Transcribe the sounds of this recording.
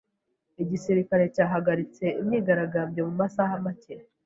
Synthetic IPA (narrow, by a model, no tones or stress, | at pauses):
iɟisiɾikaɾe̞caːɦaɡaɾit͡se̞ʔimɲiːɡaɾaɡamɟe̞mumasahamaceɾ